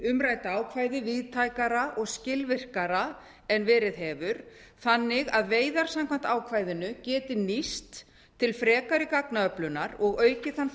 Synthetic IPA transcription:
ʏmɾaːjt̪aaːwkʰvaːjðɪviðt̪ʰaːjkaɾaʔɔɣscɪlvɪr̥kaɾa | ɛnvɛːɾɪðɦɛːvʏɾ̥ | θanːɪɣaðveːjðaɾ̥samkʰvan̥t̪aːwkʰvaːjðɪnʏcɛːt̪ɪnist̪ʰː | ɪlfɾɛːkaɾɪkaknaœplʏnaɾɔɣœːɥcɪθan

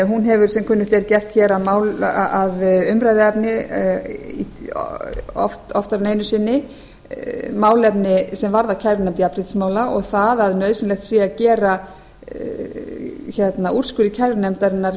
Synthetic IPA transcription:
ɦunɦɛvʏɾ̥sɛmkʰʏnːʏht̪ɛɾcɛft̪çɛɾaðmaːwlaðʏmɾajðɪɛpnɪ | i | ɔ̰ft̪ɔft̪aɾneːjnʏsɪnːɪ | maːwlɛpnɪsɛmvaɾðacʰajɾvɪnɛmt̪ɪapɾɪt̪smaːwlaʔɔɣθaðaðnœːɥðsɪnlɛxt̪siːjacɛːɾa | çɛt̪naʔur̥skʏɾicʰajɾvɪnɛmt̪aɾɪnːaɾ

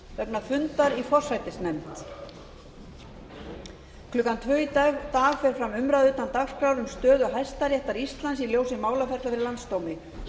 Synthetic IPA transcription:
vɛpnafʏnt̪aɾifɔr̥sajt̪ɪsnɛmt̪ | kʰlʏːkant̪ʰvœit̪aːɣfɛɾ̥fɾamʏmɾaðʏːt̪ant̪axskɾawɾʏmst̪œːðʏɦajst̪aɾjɛht̪aɾist̪lansiljoːwsɪmaːwlafɛɾt̪aθɾɪɾlant̪st̪owmɪ

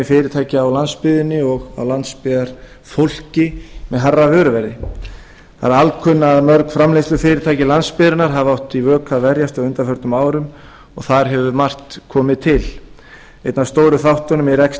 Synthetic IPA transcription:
ɪfɪːɾɪt̪ʰaːjcɪawlanspɪðɪnːɪɔɣa̰wlant̪spɪðaɾ̥ | fowl̥cɪmɛðɦarːavœːɾʏvɛɾðɪ | θaɾalkʰʏnːaðmœɾkfɾamlestlʏfɪːɾɪɾt̪ʰaːjcɪlanspɪðɾɪnaɾ̥ɦavawht̪ivœːkʰavɛɾjast̪aðʏnt̪afœɾ̥t̪ʏmaːwɾʏm | ɔɣθaɾ̥ɦɛvʏmar̥t̪kʰɔːmɪt̪ʰɪl | ejt̪nast̪owɾʏθawht̪ɔnʏmɛɾɛks

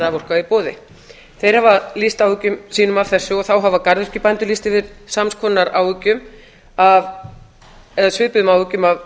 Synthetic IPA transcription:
avowr̥kaipoːðɪ̰ | θejɾ̥havalist̪awʏcʏmsiːnʏmav̥θɛsːʏɔθawɦavakaɾðʏr̥cɪpant̪ʏlist̪ɪvɪðsamnskʰvɔnːaɾa̰wʏcːʏm | av | ɛðasʏːpʏðʏmawvʏcʏmav

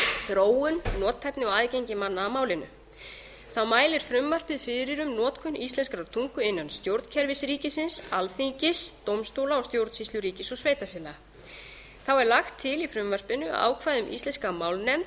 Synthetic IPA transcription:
θɾoːwʏnnɔːt̪ʰːɛjp̪nɪɔaðcejɲcɪmanːaːmaːwlɪnʏ̰ | θawmaːjlɪɾ̥fɾʏmvar̥pɪðfɪɾɪɾʏmnɔːt̪kʰʏnʔist̪lɛnskɾawt̪ʰuŋkʏɪnːanst̪jowɾt̪n̥cʰɛɾvɪsɾiːcɪsɪnsalθiɲcɪst̪owmst̪owlaɔst̪jowɾt̪sist̪lʏɾiːcɪsɔɣsveːjt̪afɛːlaa | θawɛɾlaxt̪ʰːɪlifɾʏmvar̥pɪnʏa̰ːwkʰvajðʏmʔḭst̪lɛnskamawlnɛmt̪

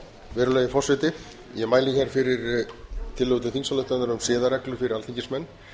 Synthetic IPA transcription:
vɛːɾʏlaːjðɪfɔr̥sɪt̪ɪ | jɛmaːjlɪçɛɾ̥fɪɾɪɾt̪ʰɪlːowt̪ɪθinsalœht̪anaɾʏmsɪːðaɾɛklʏfɪɾɪɾalθʰiɲcɪnsmɛnː

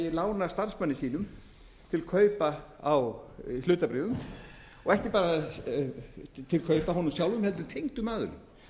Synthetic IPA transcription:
jɛlaːwnast̪ar̥smanːɪsiːn̪ʏm | t̪ʰɪlkʰœːɥpaawhlʏːt̪apɾɪːvʏm | ɔɣɛhcɪpaːɾa | t̪ʰɪlkʰœːɥpaɦɔnʏmsjawlʏmhɛlt̪ʏɾt̪ʰejŋt̪ʏmaːðʏ̰ɾʏ̰

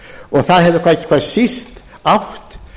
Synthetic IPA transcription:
ɔɣθaðɦɛvðʏkʰvaːcɪ̥kʰvasist̪ | awht̪

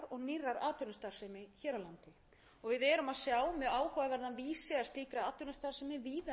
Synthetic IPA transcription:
ɾɔɣnirːaɾaːt̪ʏɾnʏst̪aɾ̥sɛjmɪçɛːɾawlant̪ɪ | ɔɣvɪðɛɾʏmaðsjaːwmɛðaːwhɔːavɛɾðanviːsɛast̪iːkɾaaːt̪ɔɾnʏst̪aɾ̥sɛjmɪviːða

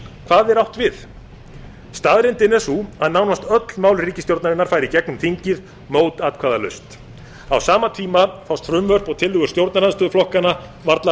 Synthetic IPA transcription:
kʰv̥aːðɛɾawht̪vɪθ | st̪aːðɾɪnt̪ɪnɛsuhaðnawnast̪œt̪lmaːwlriːcɪst̪jowɾt̪naɾɪnːaɾ̥fajɾicɛk̚nmt̪ʰiɲcɪð | moːwt̪aːt̪̚kʰvaːðalʏ̰st̪ | awsaːmat̪ʰiːmafawst̪fɾʏmvœr̥pɔɣt̪ʰɪlːʏɣʏ̥st̪jowɾt̪naɾanst̪ʏːðʏflɔhkana | vaɾt̪la

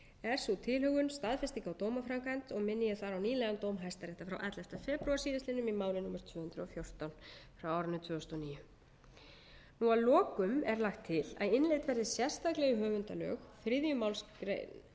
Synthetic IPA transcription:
ɛɾ̥sut̪ʰɪlhœɣʏnst̪aðfɛst̪ikawt̪oːwmafɾaŋkant̪ɔɣmɪnːɪjɪθaɾawniːlɛɣant̪oːwmɦajst̪aɾɛht̪afɾawʔɛt̪lɛft̪afɛːpɾuaɾ̥siːðɪst̪lɪnːʏmimaːwlɪnumaɾ̥t̪ʰvʏːhʏnd̪ɾʏɔfjowr̥t̪awnfɾawaːwɾʏnːʏt̪ʰvʏːɔst̪ɔniːjʏ | nualɔːkʏmɛɾlaxt̪ʰːɪla̰ðɪnlejt̪vɛɾðɪsjɛr̥st̪aklɛɣʏɦœːvʏnt̪alœ̰ːxfɾɪðjʏmawlskɾḛjn

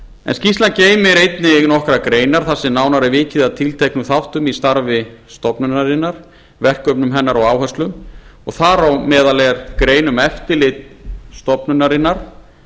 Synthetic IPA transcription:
ɛ̰nscist̪lanceːjmɪɾejt̪nɪnɔhkɾakɾeːjnaɾ̥θasːɪnaːwnaɾɛvɪːcɪðaðt̪ʰɪlt̪ʰejknʏθawht̪ʏmist̪aɾvɪst̪ɔpnʏnaɾɪnːaɾ̥ | vɛhkœpnʏmɦɛnːaɾɔɣaːwhœst̪lʏmɔɣθaɾawmɛːðalɛɾkɾeːjnʏmɛft̪ɪlɪt̪st̪ɔpnʏnːaɾɪnːaɾ̥

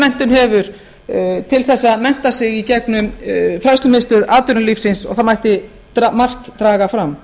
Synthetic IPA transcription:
mɛn̥t̪ʏnɦɛvʏɾ̥ | t̪ʰɪlθɛsːaðmɛn̥t̪asɪɣicɛknʏfɾast̪ʏmɪst̪ʏðaːt̪ʏɾʏliːfsɪnsɔ̰ɣθamajht̪ɪ | amar̥t̪ːɾaːɣafɾam

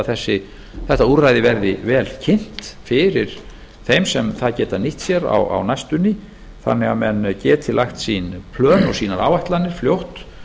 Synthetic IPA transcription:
θɛsːɪ | θɛht̪auɾajðɪvɛɾðɪvɛːlcʰɪn̥t̪fɪɾɪɾ̥ | θejmsɛmθaðcɛːt̪aniht̪sjɛɾa̰wa̰wnajst̪ʏnːɪ | θa̰nːɛɣamɛnːcɛːt̪ʰɪlajxt̪sinpʰlœːnɔɣsiːnaɾa̰ːwvajht̪lanːɪɾ̥fljowht̪

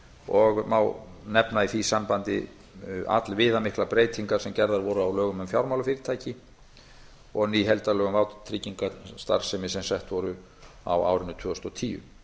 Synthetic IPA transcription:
ɔɣmawnɛpnaiθisampant̪ɪ̰ | a̰t̪lvɪːðamɪhklapɾeːjt̪ʰiŋkaɾ̥sɛmcɛɾðaɾvɔɾʏawlœːɣʏmʏmfjawɾmawlʏfɪɾɪt̪ʰaːjcɪ | ɔɣniːɦɛlt̪alœːɣʏmvawt̪t̪ʰɾiciŋkast̪a̰ɾ̥sɛmɪsɛmsɛht̪vɔɾʏ | a̰wa̰ːwɾɪnːʏt̪ʰʏːɔst̪ɔt̪ʰiːjʏ̰

